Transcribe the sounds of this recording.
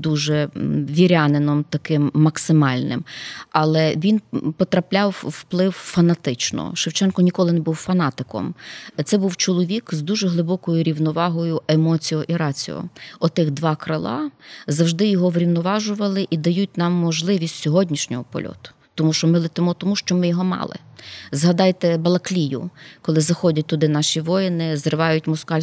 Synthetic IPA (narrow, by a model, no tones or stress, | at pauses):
d̪uʒɛʋʲiɾʲɑnenɔmt̪ɐkɪmːɐksɪmɑlʲnɪ̰mɐlˠɛʋʲinpɔt̪ɾɐplʲɑwːplˠɪwfɐnɐt̪ɪt͡ʃnɔ̰ʃewt͡ʃɛnkɔnʲikɔlˠɪnɛbuwfɐnɑt̪ɪkɔ̰mt̪sɛbuwt͡ʃɔlˠɔʋʲikzd̪uʒɛɦlˠɪbɔkɔjʊɾʲiwnɔʋɑɦɔjʊemɔt͡sʲijɔʔiɾɑt͡sʲḭjɔ̰ɔt̪ɪxd̪ʋɑkɾɐlˠɑ̰zɐwʒd̪ɪjɔɦɔʋɾʲiwnɔʋɑʒʊʋɐlˠɪʔid̪ɐjut̚ʲnɑmːɔʒlˠɪʋʲisʲtʲsʲɔɦɔdʲnʲiʃnʲɔɦɔpɔ̰lʲɔ̰t̪ʊ̥t̪ɔmuʃt͡ʃɔmɪlˠɪt̪ɪmɔt̪ɔmuʃt͡ʃɔmɪjɔɦɔmɑ̰lˠɪ̰zɦɐd̪ɑjt̪ɛbɐlˠɐklʲijʊ̰kɔlˠɪzɐxɔdʲɐt̚ʲt̪ʊd̪ɪnɑʃʲiʋɔjɪnɪzrɪʋɑjʊt̚ʲmɔskɑlʲ